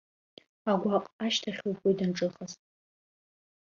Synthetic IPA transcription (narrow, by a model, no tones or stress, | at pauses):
aɡʷaqʼaʃtʰaχʲuwpʼojdɨnʈ͡ʂʼɨχaztʼ